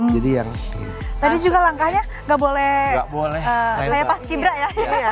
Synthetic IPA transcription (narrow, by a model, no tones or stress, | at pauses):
d͡ʒadijaŋt̪adid͡ʒuɡalaŋkahɲa | ŋɡaʔbolɛhɡaʔbolɛhəkajapaskibɾaʔja